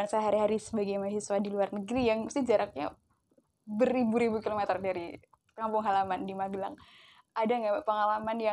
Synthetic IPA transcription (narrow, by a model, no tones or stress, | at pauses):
ansaɦaɾiɦaɾisəbaɡajmaɦiswadiluarnəɡɾijaŋməst̪ɪhd͡ʒaɾak̚ɲa̰ | bəɾibuɾibukilomɛt̪ərdaɾi | kampʊŋɦalamandimaɡəlaŋ | ʔadaŋɡapəŋalamanja